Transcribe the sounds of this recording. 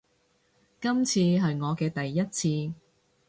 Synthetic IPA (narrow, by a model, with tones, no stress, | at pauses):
kɐ˥mt͡sʰiː˧ɦɐ˨jŋɔː˨˧kɛː˧t̪ɐ˨jːɐ˥t̚t͡sʰiː˧